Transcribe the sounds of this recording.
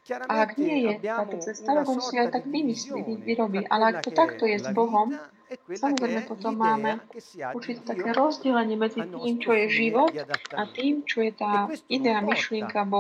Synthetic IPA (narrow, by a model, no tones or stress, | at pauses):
ʔaaɡɲɪɛjɛt̪aːt̪ɔt͡sɛst̪aɾɔɡɔmsiajt̪aɡʋimisliiiɾɔbiʔa̰lɛakt̪ɔt̪akt̪ɔjɛzbɔɦɔm | samɔzɾɛɪjmɛpɔt̪ɔmːaːmɛuɾt͡ʃit̪ɛt̪akɛːɾɔzɟɛlɛɲɪɛmɛd͡zit̪iːmt͡ʃɔjɛʒiʋɔt̪at̪iːmt͡ʃɔjɛt̪aːid̪ɛaːmiʃlɪɛŋkabɔ